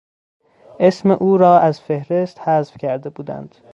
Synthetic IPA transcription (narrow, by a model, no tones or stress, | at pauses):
ʔesmeʔuːɾɒːʔæzfe̞hɾe̞st̪hæzfcʲʰæɾd̪ebuːd̪æ̰nd̪̥